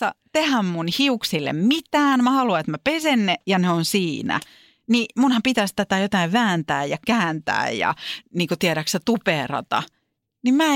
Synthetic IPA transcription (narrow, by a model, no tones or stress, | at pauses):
ɑt̪ehæmmunhiuksilːḛmmit̪æːnmæhɑluɑet̪mæpesenːejɑneonsiːnæ̰ | nimunhɑmpit̪æst̪æt̪æjot̪ɑiʋʋæːnt̪æːjjɑkæːnt̪æ̰ːjjɑ̰niːŋkut̪iæɾæksæt̪uperɑ̰t̪ɑ̰ | nimmæ